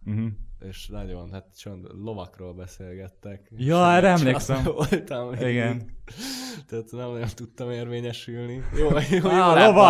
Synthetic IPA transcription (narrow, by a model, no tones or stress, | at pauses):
m̩ɦ̩eːʃnɒɟonɦat̪t͡ʃønlo̞vɒkroːlbɛseːlɡɛt̪ːɛkjjɒɾɛmleːsɛmot̪ɐmeiɡɛn | t̪ɛːt̪nɛmnɒɟo̞nt̪ut̪ːɒmeːrveːɲɛʃylnijoːjoːlovɒ